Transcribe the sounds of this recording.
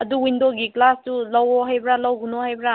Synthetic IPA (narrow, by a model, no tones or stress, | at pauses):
ɐduwindoɡiklastulɔwɔɦajbɾalɐwɡunoɦhajbɾa